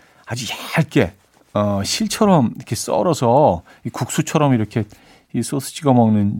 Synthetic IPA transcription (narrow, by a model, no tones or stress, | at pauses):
ad͡ʑiɡjaɭ̚k͈e̞ | ʌɕʰiɭt͡ɕʰʌɾʌmikʰes͈ʌ̰ɾʌsʰʌ | ikuk̚s͈ut͡ɕʰʌɾʌmiɾʌkʰe̞ | is͈osʰɯ̥d͡ʑʰiɡamʌŋnɯn